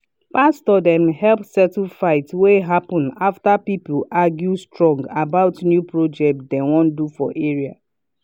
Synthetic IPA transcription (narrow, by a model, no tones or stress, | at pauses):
pastɔdɛ̃mhɛlpsɛtifaɪtweɦapɔ̃naftapipuaɡjustɹɔ̃ŋɡabaʊtnjupɹod͡ʒɛk̚tdɛ̃wɔ̃ndufɔʔeɹia̰